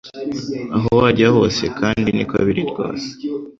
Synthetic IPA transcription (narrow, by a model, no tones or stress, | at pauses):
aɦowaɾɟaɦo̞ːse̞kʰaːndinika̰βiɾiɾɡa̰ːze̥